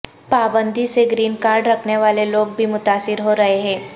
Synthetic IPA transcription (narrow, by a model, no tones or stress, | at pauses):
paːbənd̪ʱiseɡɾiːnkaːɾɖɾəkʰneʋaːleloːɡ̚bʱimʊt̪aːsɪɾɦoɾɐɦeɦẽː